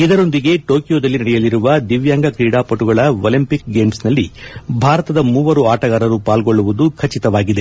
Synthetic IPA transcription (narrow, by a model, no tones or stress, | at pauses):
id̪ɐɾo̞nd̪iɡe̞ʈo̞ːkijo̞ːd̪ɐlːinɐɽɛjɐliɾuʋɐd̪iʋjaːŋɡɐkɾiːɽaːpɐʈuɡɐɭɐolimpikɡe̞ːmsnɐlːibʱaːɾɐt̪ɐd̪ɐmuːʋɐɾuaːʈɐɡaːɾɐɾupaːlɡo̞ɭːuʋud̪ukʰɐt͡ʃit̪ɐʋaːɡid̪e̞